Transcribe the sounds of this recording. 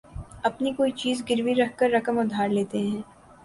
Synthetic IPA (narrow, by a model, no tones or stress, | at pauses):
ɐpnikoːit͡ʃiːzɡɪɾʋiɾɐɦkəɾːɐkəmʊd̪ʱaːɾleːt̪eɦɛ̃ː